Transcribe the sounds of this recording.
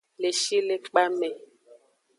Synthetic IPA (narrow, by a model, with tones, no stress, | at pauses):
le˨ʃi˦le˦k͡pa˦mɛ˨